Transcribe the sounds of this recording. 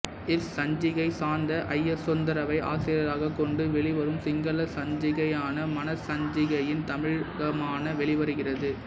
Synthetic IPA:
ɛfsɐɲd͡ʒɪɣɐɪsaːɾnd̪ɐʔɐjːɛsːɔnd̪ɐɾɐʋɐɪʔa̰ːsɪjɐɾaːɣɐkːɔɳɖɯʋɛɭɪʋɐɾɯmsɪŋɡɐlɐsɐɲd͡ʒɪɣɐjaːnɐmɐnɐsɐɲd͡ʒɪɣɐjɪnt̪ɐmɪɻɣɐmaːnɐʋɛɭɪʋɐɾɯɣɪrɐðɯ

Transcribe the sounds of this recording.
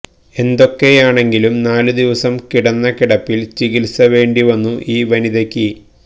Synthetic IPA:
e̞nd̪o̞kːe̞jaːɳe̞ŋɡilumnaːlud̪iʋɐsɐmkiɽɐnːɐkiɽɐpːilt͡ɕiɣilsɐʋe̞ːɳɖiʋɐnːuʔiːʋɐniðɐkʲːɨ

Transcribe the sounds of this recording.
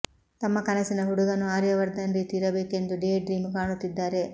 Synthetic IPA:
t̪ɐmːɐkɐnɐsinɐɦuɽuɡɐnːuaːɾjɐʋɐɾd̪ɐnɾiːt̪iːɾɐbe̞ːke̞nd̪uɖeɖɾiːmkaːɳut̪ːid̪ːaːɾe̞

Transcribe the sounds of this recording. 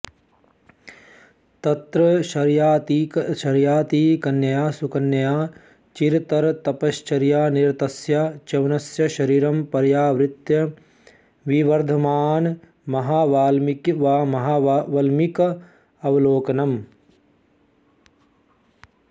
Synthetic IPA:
t̪ɐt̪ɾɐɐɾjaːt̪iʃɐɾjaːt̪iːkɐnjɐjaːsukɐnjɐjaː | t͡ʃiɾt̪ɐɾt̪ɐpɐʃt͡ʃɐɾjaːniɾt̪ɐsjɐt͡ʃɐʋɐnɐsjɐʃɐɾiːɾɐmpɐɾjaːʋɾɪt̪jɐ | ʋiʋɐɾd̪ʱɐmaːn | mɐɦaːʋːlː | mɐɦaːʋɐlmikɐ | ɐʋɐloːkɐnɐm

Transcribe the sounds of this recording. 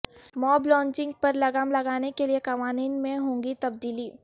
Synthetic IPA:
mɔːblɔ̃ːɲt͡ʃɪ̃ŋɡ̚pɐɾlɐɡamlɐɡaːnekeliekɐʋaːniːnmẽɦõːŋɡit̪ɐb̚d̪iːliː

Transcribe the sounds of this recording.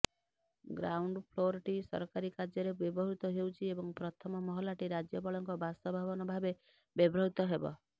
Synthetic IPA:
ɡɾawɳɖpʰloɾʈisɔ̰ɾkaɾikaɾd͡ʒɔɾebebɔɦut̪ɔɦewt͡ʃʰiebɔŋpɾɔt̪ʰɔmɔmɔɦɔlaʈiɾad͡ʒjɔbɔɭɔŋkɔbast̪ɔbʱabɔnɔbʱabe | bebɾɔɦut̪ɔɦebɔ̰

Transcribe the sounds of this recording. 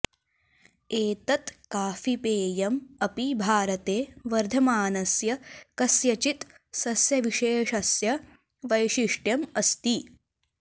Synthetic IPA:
eːt̪ɐt̪kaːfipeːjɐmɐpibʱaːɾɐt̪eːʋɐɾd̪ʱɐmaːnɐsjɐkɐsjɐt͡ʃit̪ | sɐsjɐʋiʃeːʃɐsjɐ | ʋɐjʃiʂʈjɐmɐst̪i

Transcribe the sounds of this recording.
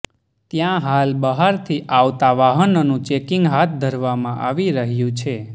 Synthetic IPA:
t̪jãɦalbəɦaɾt̪ʰiʔaʋt̪aʋaɦənnũt͡ʃekĩŋɡɦat̪̚ʰd̪ʱəɾʋamãʔaʋiɾəɦjũt͡ʃʰe

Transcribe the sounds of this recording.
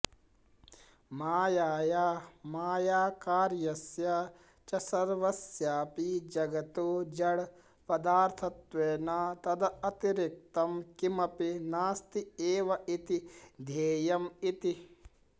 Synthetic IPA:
maːjaːjaːmaːjaːkaːɾjɐsja | t͡ʃɐsɐɾʋɐsjaːpiːd͡ʒɐɡɐt̪oːd͡ʒɐɽ | pɐd̪aːɾt̪ʰɐt̪ʋeːnaːt̪ɐd̪ɐɐt̪iɾik̚t̪ɐmkimɐpinaːst̪ieːʋɐʔit̪id̪ʱeːjɐmit̪i

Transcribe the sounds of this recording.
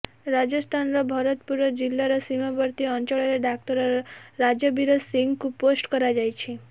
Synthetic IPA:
ɾad͡ʒəst̪ʰanɾɔbʱɔɾot̪puɾʋəd͡ʒilːaɾɔsimabəɾt̪iɔnt͡ʃɔɭeɾeɖak̚ʈ̪əɾɾɾad͡ʒjəbiɾosiŋɡkuposʈkəɾad͡ʒajt͡ʃʰe

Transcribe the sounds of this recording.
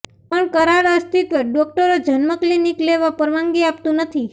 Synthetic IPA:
pəɳkəɾaɾəst̪it̪ɖɔk̚ʈəɾod͡ʒʱənməklinikleʋapəɾʋaŋɡiap̚t̪ũnət̪ʰi

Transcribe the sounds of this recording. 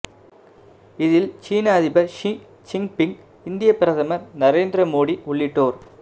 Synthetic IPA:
ɪðɪlt͡ʃiːnaːðɪbɐʃ | t͡ʃɪŋɡpɪŋɡ | ɪnd̪ɪjɐpːɪɾɐðɐmɐɾnɐɾeːnd̪ɾɐmoːɽiʊɭːɪʈːoːɾ

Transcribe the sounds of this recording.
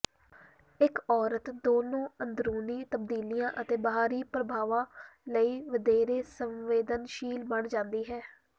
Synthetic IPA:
ɪkɔːɾət̪d̪oːnõːənd̪ɾuːnĩːt̪əbd̪iːlijãːʔət̪eːbəɦaːɾiːpɾəbʱaːʋãːləiːʋəd̪eːɾeːsəmʋeːd̪ənʃiːlbəɳd͡ʒãːnd̪iːɦɛː

